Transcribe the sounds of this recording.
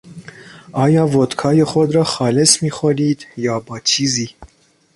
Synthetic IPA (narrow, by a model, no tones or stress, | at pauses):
ɑːjɑːvot̪kʰɑːjexɔd̪rɑːxɑːlɛsmixɔliːt̪jɑːbɑːt͡ʃʰizi